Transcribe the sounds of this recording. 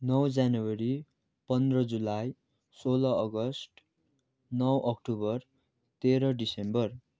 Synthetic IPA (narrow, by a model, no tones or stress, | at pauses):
nʌwd͡zanuwʌɾi | pʌnd̪rʌd͡zulaj | solʌʌɡʌsʈ | nʌwʔʌkʈubʌr | t̪eɾʌɖisembʌr